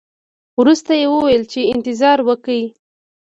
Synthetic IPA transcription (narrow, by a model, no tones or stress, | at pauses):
wɾust̪ajewəwajlt͡ʃeɪnt̪ɪzɑɾwəkəi